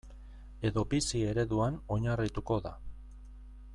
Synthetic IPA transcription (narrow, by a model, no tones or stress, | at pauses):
e̞ðo̞bisie̞ɾe̞ðuano̞ɲarit̪uko̞ða